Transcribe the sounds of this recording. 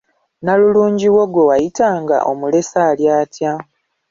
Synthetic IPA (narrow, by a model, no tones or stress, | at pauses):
naluluːɲɟiwo̞ɡwo̞wajitaːŋɡa̰ʔo̞mule̞saːljaːtja